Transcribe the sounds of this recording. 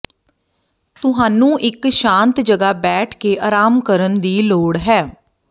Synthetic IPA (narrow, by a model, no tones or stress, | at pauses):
t̪ʊɦaːnũːʔɪkʃãːnt̪d͡ʒəɡaːbɛːʈʰkeːʔaːɾaːmkəɾənd̪iːloːɽɦɛː